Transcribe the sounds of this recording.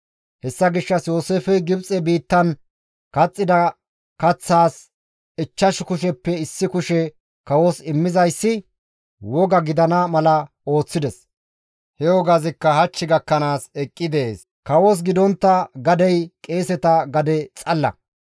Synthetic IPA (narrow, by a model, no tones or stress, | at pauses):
hɛsːɐɡɪʃːɐsjo̞ːse̞ːfɛjɡɪbt͡sʼɛbiːt̪ːɐn | kɐt͡sʼːɪd̪ɐ | kɐt͡sːaːs | ɪt͡ʃːɐʃkʊʃɛpːɛɪsːɪkʊʃɛ | kɐwosɪmːɪzɐjsːɪ | wɔɡɐɡɪd̪ɐnɐmɐlɐ | o̞ːt͡sːɪd̪ɛs | hɛwɔɡɐzɪkːɐhɐt͡ʃːɪɡɐkːɐnaːsɛkʼːɪd̪ɛḛːs | kɐwos̬ɡɪd̪ɔnt̪ːɐɡɐd̪ɛjkʼe̞ːsɛt̪ɐɡɐd̪ɛt͡sʼɐlːɐ̰